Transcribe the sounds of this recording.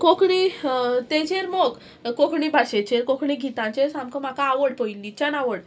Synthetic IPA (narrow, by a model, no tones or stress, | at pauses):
kokɳit̪ẽt͡ɕeɾmoɡː | okʰɳibʱaɕet͡ɕeɾkokʰɳiɡʱit̪ãt͡ɕesamkəmakaːʋəɽpəilːit͡ɕanaʋəɽ